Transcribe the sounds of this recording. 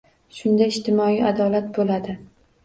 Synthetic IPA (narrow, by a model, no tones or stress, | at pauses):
ʃʊnd̪aɪʃt̪ʰɪmɒiad̪ɒlat̪̚bolad̪ɪ